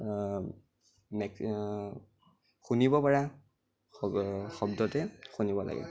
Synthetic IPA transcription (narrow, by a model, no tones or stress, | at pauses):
mɛk | xunibɔpaɹa | xɔbdɔtɛxunibɔla̰ɡɛ̰